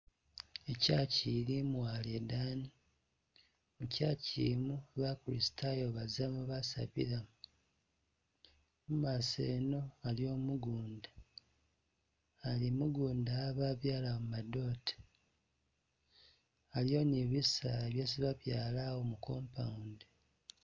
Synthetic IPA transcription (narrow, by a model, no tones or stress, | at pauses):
e̞caːciɾimwaːledaːni | mucaːcḭmuβakulisi̥tajo̞βazamuβasa̰βḭɾamu | mumaseːno̞aljo̞ːmuɡuːnda | limuɡuːndaβaβjaːlawmumado̞ːte̥ | aljo̞niβisaeβjesiβaβjaːlawo̞muko̞ːmpa̰unde